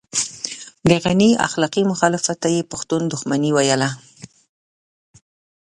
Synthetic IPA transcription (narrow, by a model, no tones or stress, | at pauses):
d̪əɣania̰xlɑqimʊxɑlɪfat̪ːajepʊxt̪und̪ʊxmaniwajəla